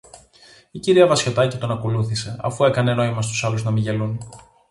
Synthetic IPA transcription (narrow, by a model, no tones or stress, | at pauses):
iciɾiɐvɐsço̞t̪ɐcit̪o̞nɐko̞luθise̞ɐ̰fue̞kɐne̞no̞imɐst̪u̥sɐluznɐmiʝe̞lun